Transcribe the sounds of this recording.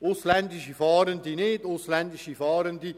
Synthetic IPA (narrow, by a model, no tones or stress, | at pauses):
ʊslɛndiʃifɑːɾəndineːdoslɛndiʃifɑːɾəndi